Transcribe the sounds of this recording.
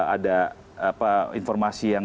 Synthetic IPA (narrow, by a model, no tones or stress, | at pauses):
ada | apainfɔrmasijaŋ